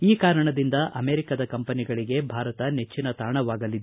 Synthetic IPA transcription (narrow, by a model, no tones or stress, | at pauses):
iːkaːɾɐɳɐd̪ind̪ɐʔɐme̞ːɾikɐd̪ɐkɐmpɐniɡɐɭiɡe̞bʱaːɾɐt̪ɐne̞t͡ʃːinɐt̪aːɳɐʋaːɡɐlid̪